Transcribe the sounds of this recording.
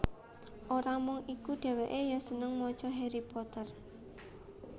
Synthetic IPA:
ʔoɾamʊŋikuɖ̥aɛ̤weʔejasənəŋmɔt͡ʃɔɦeɾipɔt̪ər

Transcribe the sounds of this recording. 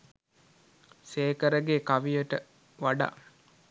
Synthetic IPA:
seːkəɾəɡeːkaʋijəʈə | ʋaɖa̰

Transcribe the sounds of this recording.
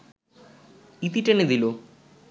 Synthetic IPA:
it̪iʈːɐneðilo

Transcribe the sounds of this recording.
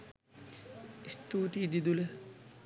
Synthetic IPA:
ist̪uːt̪id̪id̪ulə

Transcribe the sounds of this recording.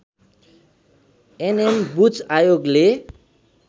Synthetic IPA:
enembut͡sajoɡle

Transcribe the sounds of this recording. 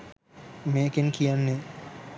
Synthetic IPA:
meːkenkʰijanːe

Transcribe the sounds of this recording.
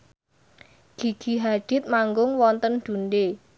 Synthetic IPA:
ɡ̥i̤ɡ̥i̤ɦad̪̥i̤t̪̚maŋɡʊŋwɔnt̪ənd̪̥unɖe

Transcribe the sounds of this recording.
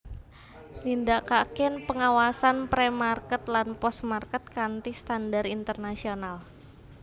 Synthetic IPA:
lindakakɪnpəŋawasanpɾemarkət̪lanpɔsmarkət̪̚kant̪ist̪andarint̪ərnasional

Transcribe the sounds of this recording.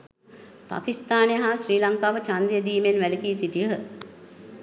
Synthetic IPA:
pa̰kist̪aːnejəɦaːsriːlaŋkaːʋət͡ʃand̪ijəd̪iːmenʋælikiːsiʈijəɦə

